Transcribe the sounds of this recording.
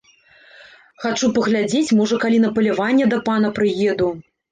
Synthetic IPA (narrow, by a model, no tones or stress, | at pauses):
xat͡ʂupɐɣlʲad͡zʲet͡sʲmɔʐɐkalʲin̪ɐpɐlʲivanʲːɛd̪ɐpanɐpɾɨjɛd̪u